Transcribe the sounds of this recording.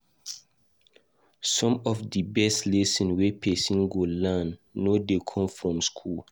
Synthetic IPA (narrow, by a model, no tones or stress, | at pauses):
sɔ̃mɔfdibɛstlesĩnwepʰɛsĩnɡolanːodekʰɔ̃mfɹɔ̃mskʰul